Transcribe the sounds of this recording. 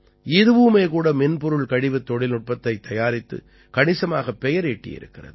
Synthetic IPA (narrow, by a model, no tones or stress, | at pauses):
ɪðɯʋɯmeːkuːɽɐmɪnpɔɾɯɭkɐɽɪʋɯt̪ːɔɽɪlʊʈ̚pɐt̪ːɐɪt̪ːɐjaːɾɪt̪ːɯ̰ | kɐɳɪsɐmaːɣɐpːɛjɐɾeʈːɪ̰jɪ̰ɾɯ̰kːɪrɐ̰ðɯ